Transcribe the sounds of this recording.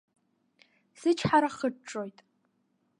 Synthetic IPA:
z̥ɨt͡ʃʰħaɾaχəʈ͡ʂʼojtʼ

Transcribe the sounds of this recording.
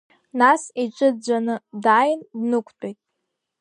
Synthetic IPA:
nasiʈ͡ʂʷʼɨd͡ʒʷanɨdaːjndnɨkʷʰtʷʼejtʼ

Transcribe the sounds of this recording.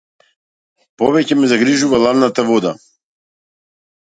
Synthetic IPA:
pɔvɛcɛmɛzaɡɾiʒuvalˠad̪nat̪avɔd̪a

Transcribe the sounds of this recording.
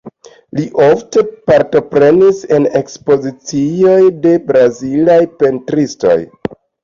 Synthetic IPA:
liʔofte̞paɾto̞pɾe̞nise̞ne̞kspo̞zit͡sio̞jde̞bɾazilajpe̞ntɾisto̞̰j

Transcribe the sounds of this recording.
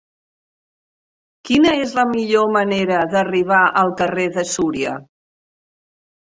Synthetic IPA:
kinəezləmiʎoməneɾəðəriβ̞aʔəlˠkəreðəsuɾiə̰

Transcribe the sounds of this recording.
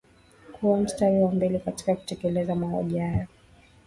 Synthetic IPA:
kʰuwam̩staɾiwambɛlikati̥kaku̥tɛkɛlɛzamaɔ̰ʄihajɔ

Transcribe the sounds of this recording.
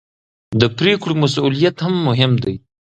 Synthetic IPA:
d̪əpɾekɽomasulijat̪hamːʊɦɪmd̪aj

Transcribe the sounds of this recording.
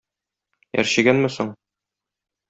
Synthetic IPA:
jæ̰ɾɕiɡænmɘsoɴ

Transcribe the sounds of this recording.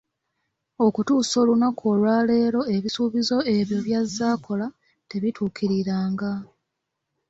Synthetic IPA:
o̞kutuːso̞ːlunako̞ːlwaːle̞ːɾo̞e̞βisuβizo̞e̞βjo̞βjazːaːkʰo̞la | te̞βitʰuːkʰiɾiɾaːŋɡa

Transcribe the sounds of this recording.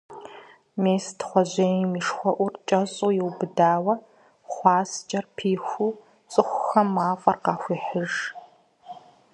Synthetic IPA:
meːstχʷɔʑeːjmiʂxʷɔʔʷʊrt͡ʃʼɐɕʼuːjɪwbɨdaːwɐ | χʷɑːst͡ʃʼɐrpʰiːxʷuː | t͡sʼɨxʷxɐmːaːfʼɐrqɑːxʷiːħəʒ

